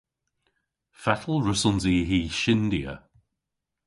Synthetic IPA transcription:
fatʰəl̩ˠɹʊsənziːɦiːʃɪnd̪iə̰

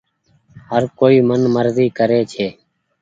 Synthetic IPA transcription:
ɦəɾkoːiːmənməɾziːkəɾeːt͡ʃʰeː

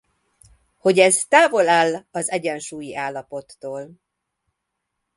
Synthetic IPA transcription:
ho̞ɟɛzt̪aːvo̞laːlːɒzɛɟɛnʃuːjiʔaːlːɒpo̞t̪ːoːl

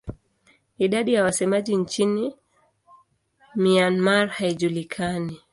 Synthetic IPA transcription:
iɗaɗijawasɛmaʄint͡ʃini | mianmaɾhaiʄulikʰani

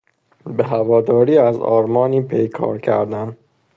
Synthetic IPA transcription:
beɦævɒːd̪ɒːɾiːæzɒ̰ːɾmɒːniːpʰejkʰɒ̰ːɾcʰæ̰ɾd̪æn

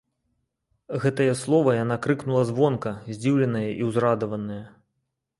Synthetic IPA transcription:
ɣɛt̪ɐjɐslˠɔvɐjanakɾɨknulˠɐzvɔnkɐzʲd͡zʲiwlʲɐnɐjɐʔiwzɾad̪ɐvɐnɐjɐ

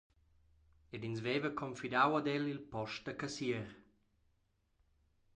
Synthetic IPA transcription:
edinzvɛːvəkʰɔmfidawad̪ɛlilpɔʃt̚d̪əkasiəɾ

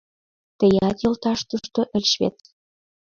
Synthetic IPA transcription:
t̪ə̆jɑt̪jolt̪ɑʃt̪uʃt̪oʔə̆lʲʃβḛt̪

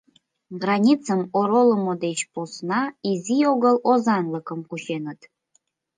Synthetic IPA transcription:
ɡrɑnʲit͡səmoɾoləmod̪et͡ɕposnɑizioɣəlozɑnləkəmkuʃenət̪

